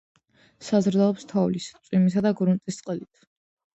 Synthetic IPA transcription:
sazɾd̪aɔpst̪ʰɔvlist̪sʼwimisad̪aɡɾunt̪ʼist̪sʼqʼɛlit̪ʰ

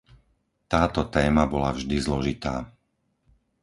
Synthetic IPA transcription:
t̪aːt̪ɔt̪ɛːmabɔlavʒd̪izlɔʒit̪aː

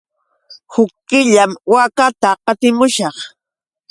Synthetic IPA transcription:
hʊkːɪʎamwakat̪aqɑt̪ɪmʊʃɑχ

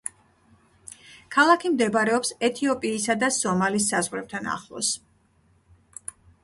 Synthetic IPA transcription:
kʰalˠakʰimd̪ɛbaɾɛɔpsɛt̪ʰiɔpʼiːsad̪asɔmalis̬ːazʁwɾɛb̚t̪ʰana̰χlˠɔ̰s

